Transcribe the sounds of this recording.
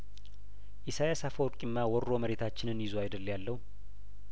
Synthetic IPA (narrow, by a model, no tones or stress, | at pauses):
ʔɪsajasafəwɾkʼɪmːawɔɾːo̞məɾe̞t̪ʰat͡ʃːɪnɨnjɪzwajd̪əljalːəhu